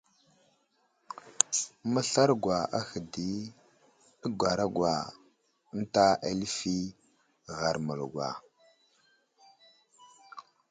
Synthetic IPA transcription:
mə˦ɬa˦ɾɡwa˨a˦xə˨di˦ | ə˦ɡʷa˨ɾa˦ɡwa˨˦ | n˦ta˦a̰˦lfi˦ | ɣa˨ɾmə˨lɡwa̰˨

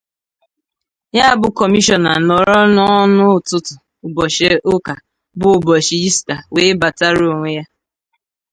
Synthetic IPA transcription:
ɲa˦a˨bʊ˦kɔ˨mi˦ʃɔ˨na̰˨nɔ˨ɾɔ˦nɔ˦nʊ˦˨tʊ˦tʊ˨ | ʊ˨bɔ˨ʃe˦ʔʊ˦ka˨ | bʊ˦˨bɔ˨ʃi˨i˦sta˨we˨˦ba˨ta˦ɾo˨ŋʷe˦ja˦

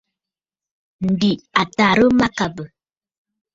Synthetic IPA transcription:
n̩˨di˨a˨ta˨ɾə˦ma˦ka˨bə˨

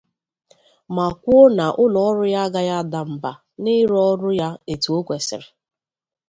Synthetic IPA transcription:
ma˨kʷʊ˦o˦na˨ʔʊ˦lɔ˨ɔ˦ɾʊ˦ja˦a˦ɡa˦ja˦˨da˨m̩˨ba˨ | nɪ˦ɾɔ˦ɾʊ˦ja˦e˨tu˨o˦kʷe˨sɪ̰˨ɾɪ˨

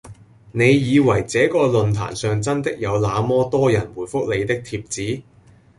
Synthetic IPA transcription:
ne˨˧jjiː˨˧wɐ˨˩jt͡sɛː˨˥kɔː˧lɵ˨nt̪ʰa̰ː˨˩nsœː˨˧ŋt͡sɐ˥nt̪ɪ˥k̚jɐ˨˧wlaː˨˧mɔː˥t̪ɔː˥jɐ˨˩nwuː˨˩jfʊ˥k̚le˨˧jt̪ɪ˥k̚t̪ʰiː˧p̚t͡siː˨˥

